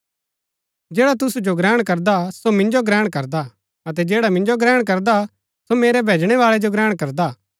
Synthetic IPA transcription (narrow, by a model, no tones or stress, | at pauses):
d͡ʒɛːɽat̪̬ʊsud͡ʒoɡɾɛːɽ̃kɐɾd̪asomɪ̃nd͡ʒoɡɾɛːɽ̃kɐɾd̪a | ɐt̪̬ɛd͡ʒeːɽamɪ̃nd͡ʒoɡɾɛːɽ̃k̬ɐɾd̪a | someːɾɛbʱeːd͡ʒɽ̃ɛʋaːɭɛd͡ʒoɡɾɛːɽ̃kɐɾd̪a